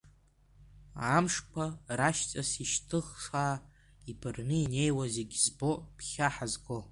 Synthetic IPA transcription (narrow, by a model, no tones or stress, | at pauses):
amʂpʷʰaraʃt͡sʼasiʃtʰɨχʂaː | ibʰɨrnɨine̞jwazeɡʲzbo̞pʰχʲaħazɡo